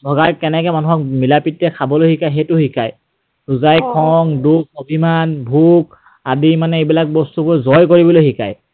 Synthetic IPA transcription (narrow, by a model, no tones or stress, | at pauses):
bʱɔɡaɹkɛnɛkɛmanuɦɔk̚milapitːɛkʰabɔlojhikajɦetʊɦikʰaj | ɹuzajkʰɔŋdukobʱimanbʱuk | adimanɛejbilak̚bɔstupɔɹzɔjkoɹibɔlojɦika̰j